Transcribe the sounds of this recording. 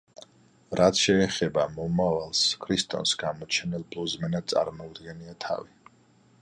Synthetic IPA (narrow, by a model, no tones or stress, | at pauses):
ɾʔat̪sʃɛːχɛbamɔmavalˠskʰɾist̪ʼɔ̰nsɡamɔt͡ʃʰɛnilˠbluzmɛnad̪̚tsʼa̰ɾmɔud̪ɡɛniat̪ʰa̰vi